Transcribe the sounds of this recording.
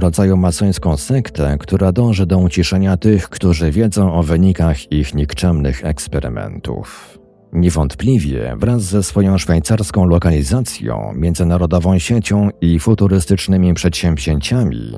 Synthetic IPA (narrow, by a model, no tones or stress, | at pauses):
ɾɔd̪zajumat̪sɔj̃skɔ̃w̃sɛkt̪ɛkt̪uɾad̪ɔ̃w̃ʐɛd̪ɔut͡ɕiʂɛɲat̪ɘxkt̪uʐɘvʲjɛd̪zɔ̃w̃ʔɔvɘɲikaxixɲikt͡ʂɛmnɘ̰xɛ̰kspɛɾɘ̰mɛ̰nt̪ṵf | ɲɛvɔnt̪plʲivʲjɛ̰vɾazːɛsfɔjɔ̃w̃ʂfajt̪saɾskɔ̃w̃lɔkalʲizat̪sʲjɔ̰̃w̃mʲjɛnd̪zɘnaɾɔd̪ɔvɔ̃w̃ɕet͡ɕɔ̃w̃ifut̪uɾɘst̪ɘt͡ʂnɘmʲipʂɛt̪ɕɛmvʑeɲt͡ɕamʲḭ